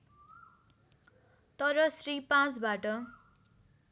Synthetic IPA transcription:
t̪ʌɾʌsripãt͡sbaʈʌ

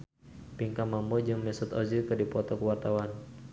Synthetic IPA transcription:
piŋkamambɔd͡ʒɨŋmɛsɔt̪ɔzikədipɔt̪ɔkəwart̪awan

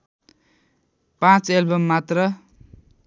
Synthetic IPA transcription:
pãt͡selbʌmːat̪rʌ

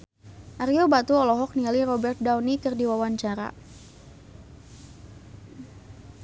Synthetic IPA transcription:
ʔaɾiobat̪uɔlɔɦɔk̚nialiɾɔbɛrt̪̚dawnikərdiwawaɲt͡ʃaɾa̰

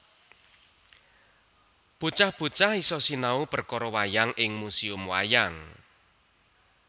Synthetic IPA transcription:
b̥ṳt͡ʃahb̥ṳt͡ʃahisɔsinaupərkɔɾɔwajaŋʔɪŋmusiʊmwa̰jaŋ

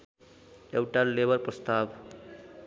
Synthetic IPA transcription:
ewʈalebʌɾprʌst̪ab

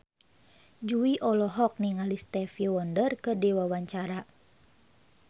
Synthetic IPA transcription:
d͡ʒuiʔɔlɔɦɔk̚niŋalist̪ɛfiwɔndərkədiwawaɲt͡ʃaɾa

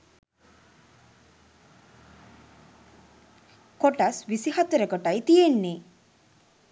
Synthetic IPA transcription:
koʈasʋisihat̪əɾəkoʈajt̪ijenːe

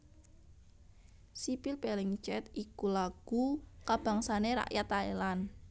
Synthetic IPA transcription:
sipilpelɪŋt͡ʃɛt̪ikulaɡ̥ukab̥a̤ŋsaneɾa̰ʔjat̪aelan

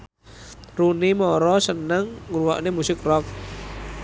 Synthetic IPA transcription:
runimɔɾɔsənəŋːɾua̰ʔnemusɪk̚rɔk̚

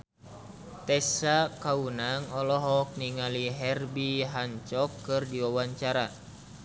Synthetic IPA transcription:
t̪ɛsakaunaŋɔlɔɦɔk̚niŋaliɦɛrbiɦaɲt͡ʃɔkːɨrdiwawaɲt͡ʃaɾa

